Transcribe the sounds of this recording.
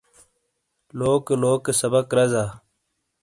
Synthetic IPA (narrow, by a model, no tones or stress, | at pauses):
loːkloːksɐbəkɾɐzaː